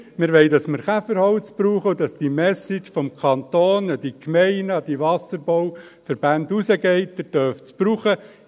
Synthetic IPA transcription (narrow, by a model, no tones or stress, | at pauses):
mɪɾʋɛɪdɑsməɾχæfəɾhɔʊt͡spɾuːχəʊdɑsd̥imɛsɪt͡ʃfɔmkʰɑnt̪oːnəd̥ikmɛɪnɑd̥iʋɑsəɾboʊ | fəɾb̥ændusəɡɛɪtdəd̥œft͡spɾuːχə